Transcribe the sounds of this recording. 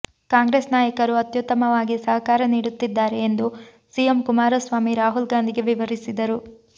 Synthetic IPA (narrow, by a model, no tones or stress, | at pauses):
kaːŋɡɾeːsnaːjɐkɐɾuɐt̪jut̪ːɐmɐʋaːɡisɐɦɐkaːɾɐniːɽut̪ːid̪ːaːɾe̞ːnd̪u | sijemkumaːɾɐsʋaːmiɾaːɦulɡaːnd̪iɡe̞ʋiʋɐɾisid̪ɐɾu